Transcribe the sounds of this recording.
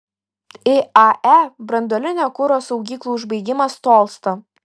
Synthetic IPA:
ɪɑʔæbɾɐnd̪oːlʲɪnʲoːkʊɾoːsɐʊɡʲiːklˠuːʊʒbɐɪɡʲɪmɐst̪oːlˠst̪o

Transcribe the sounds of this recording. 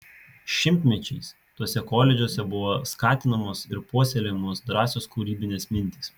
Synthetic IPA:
ʃʲɪmʲt̪ʲmʲɛt͡ʃʲɛɪs | t̪uɔsʲɛkoːlʲɛd͡ʒʲuɔsʲɛbʊʋoːskɑːt̪ʲɪnɐmoːsɪɾpuɔsʲɛlʲemoːsd̪ɾɑːsʲoːskuːɾʲiːbʲɪnʲeːsmʲɪnʲt̪ʲiˑs

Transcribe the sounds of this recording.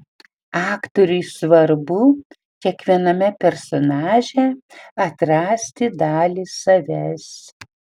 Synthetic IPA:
ɑːkt̪ɔɾʲʊjsʋɐɾbʊ | kʲiɛkʋʲiɛnɐmʲɛpʲɛɾsɔnɑːʒʲɛɐt̪ɾɑːsʲt̪ʲɪd̪ɑːlʲiːsɐʋʲɛs

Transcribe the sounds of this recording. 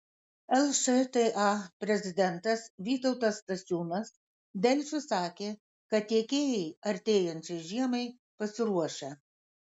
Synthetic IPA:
ɛlˠʃet̪ɛʔɑpʲɾʲɛzʲɪd̪ʲɛnt̪ɐsʋʲiːt̪ɔʊt̪ɐst̪ɐsʲuːnɐs | d̪ʲɛlʲt͡ʃʲʊsɑːkʲeː | kɐt̪̚t̪ʲiɛkʲeːjɛɪɐɾʲt̪ʲeːjɛnʲt͡ʃʲɛɪʒʲiɛmɐɪ | pɐsʲɪɾuɔʃʲɛ

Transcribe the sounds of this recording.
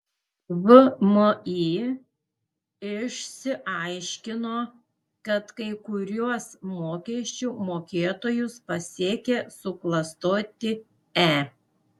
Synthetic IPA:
ʋʊmoi | ɪʃʲsʲɪʔɐɪʃʲkʲɪnoː | kɐt̪kɐɪkʊɾʲuɔsmoːkʲɛʃʲt͡ʃʲuːmoːkʲeːt̪oːjʊspɐsʲiːkʲesʊklˠɐst̪oːt̪ʲɪ | æː

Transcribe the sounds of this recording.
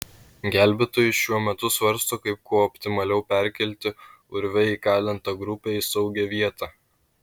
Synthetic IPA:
ɡʲæˑlʲbʲet̪oːjʊʃʲuɔmʲɛt̪ʊsʋɐɾst̪oːkɐɪp̚kuɔɔpʲt̪ʲɪmɐlʲɛʊpʲæˑɾʲkʲɛlʲt̪ʲɪ | ʊɾʲʋʲɛikɑːlʲɪnt̪ɐɡɾʊpʲeːɪsɒʊɡʲɛʋʲiɛt̪ɑː

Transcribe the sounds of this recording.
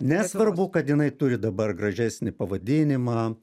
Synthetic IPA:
nʲɛsʋɐrbʊkɐt̪jɪnɐɪt̪ʊɾʲɪd̪ɐbɐrɡɾɐʒʲæsʲnʲɪpɐʋɐd̪ʲɪnʲɪmɑː

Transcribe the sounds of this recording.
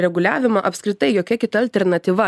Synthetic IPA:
ɾʲɛɡʊlʲæːʋʲɪmɐʔɐpʲskɾʲɪt̪ɐɪjoːkʲɛkʲɪt̪ɐːlʲt̪ʲɛɾnɐt̪ʲiːʋɐ

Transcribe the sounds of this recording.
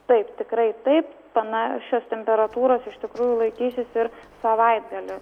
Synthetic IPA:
t̪ɐɪpt̪ʲɪkɾɐɪt̪ɐɪp | pɐnɑːʃʲoːst̪ʲɛmʲpʲɛɾɐt̪uːɾoːsɪʃt̪ʲɪkɾuːjʊlˠɐɪkʲiːsʲɪsɪɾsɐʋɐɪd̪̚ɡɐlʲʊ

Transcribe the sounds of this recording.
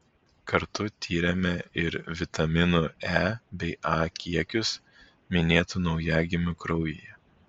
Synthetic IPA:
kɐɾt̪ʊt̪ʲʰiːɾʲɛmʲɛɪɾʋʲɪt̪ɐmʲɪnuæːbʲɛɪʔɑːkʲiɛkʲʊs | mʲɪnʲeːt̪unɒʊjɛɡʲɪmʲʊkɾɔʊjɪjɛ

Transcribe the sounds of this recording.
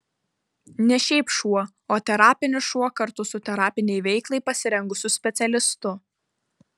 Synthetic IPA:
nʲɛʃʲɛɪpʃuɔ | oːt̪ʲɛɾɑːpʲɪnʲʊʃuɔkɐɾt̪ʊsʊt̪ʲɛɾɑːpʲɪnʲɛɪʋʲɛɪklˠɐɪpɐsʲɪɾʲɛŋɡʊsʲʊsʲpʲɛt̪sʲɛlʲɪst̪ʊ

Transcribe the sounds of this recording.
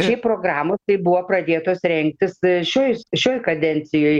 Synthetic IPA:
t͡ʃʲɛɪpɾoːɡɾɑːmoːst̪ɐɪbʊʋopɾɐd̪ʲeːt̪oːsɾʲɛŋk̚t̪ʲɪsʃʲoːjsʃʲoːjkɐd̪ʲɛnʲsʲɪjoːj

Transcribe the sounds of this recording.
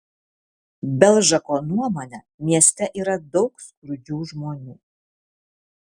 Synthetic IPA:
bʲɛlˠʒɐkoːnuɔmoːnʲɛ | mʲiɛsʲt̪ʲɛʔiːɾɐd̪ɔʊkskɾʊd͡ʒʲuːʒmoːnʲuː

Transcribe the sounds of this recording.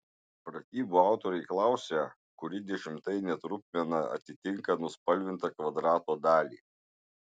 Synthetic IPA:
pɾɐt̪ʲiːbuːɑˑʊt̪oːɾɐɪklˠɑˑʊsʲe | kʊɾʲɪd̪ʲɛʃʲɪmt̪ɐɪnʲɛt̪ɾʊpʲmʲɛnɐɐ̰t̪ʲɪt̪ʲɪŋkɐnʊspɐlʲʋʲɪnt̪ɐkʋɐd̪ɾɑːt̪oːd̪ɑːlʲḭː

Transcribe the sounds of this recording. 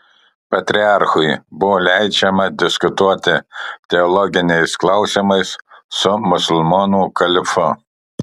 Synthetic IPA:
pɐt̪ʲɾʲɪɑˑɾxʊjbʊʋoːlʲɛɪd͡ʒʲɛmɐd̪ʲɪskʊt̪uɔt̪ʲɪt̪ʲɛɔlˠɔɡʲɪnʲɛɪsklˠɐʊsʲimɐɪssʊmʊsʊlˠmoːnuːkɐlʲɪfʊ

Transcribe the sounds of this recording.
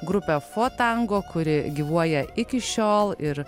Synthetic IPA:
ɡɾʊpʲɛfoːt̪ɐŋɡoːkʊɾʲɪɡʲiːʋuɔjɛɪkʲɪʃʲoːlˠɪɾ

